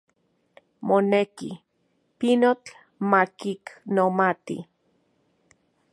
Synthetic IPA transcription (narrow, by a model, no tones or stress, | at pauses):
moneki | pinot͡ɬ | makiknomat̪ḭ